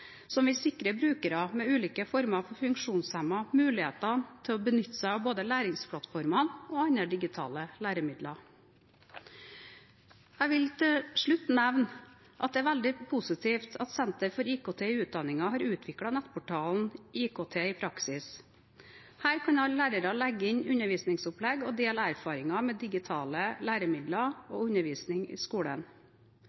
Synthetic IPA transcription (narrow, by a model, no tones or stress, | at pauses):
sɔmʋɪlsɪkɾəbɾʉːkəɾɑmɛʉːliːkəfɔɾmɑfɔɾfʉŋkʂuːnshæmɑmʉːlɪhḛːt̪ɑnt̪ʰɛɔbənʏt̪ːsæɑboːd̪əlæːɾɪŋspʰlɑt̪fɔɾmɑnoːɑnəɖ̪ɪɡɪt̪ʰɑ̰ːləlæːɾəmɪd̪lɑ | æɪʋɪlt̪ʰɪʂɭʉt̪ːnæʋn | ʔɑt̪d̪ɛæɾʋæld̪ɪpʰʊsɪt̪ʰiːft̪ʰɑt̪sɛnt̪əɾfɔɾiːkoːt̪ʰeːɪʉːt̪̚d̪ɑnɪŋɑɦɑːɾʉːt̪ʰʋɪkɽɑnæt̪ːpʰʊʈʰɑːln̩ʔiːkʰoːt̪ʰeːɪːpʰɾɑksɪs | hæːɾkʰɑnɑllæːɾəɾɑlæɡːəɪɲʉnəɾʋiːsnɪŋsʊplɛɡɔd̪eːlæɾfɑːɾɪŋɑmeːd̪ɪɡɪt̪ʰɑːləlæːɾəmɪd̪lɑoːʉɲəʋiːsnɪŋḭːskuːɽə̰n